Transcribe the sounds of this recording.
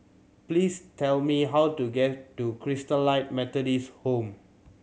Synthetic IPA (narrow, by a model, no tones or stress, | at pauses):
plistʰɛlmiɦawtuɡɛttukʰɹistəlaɪt̚mɛtədishõm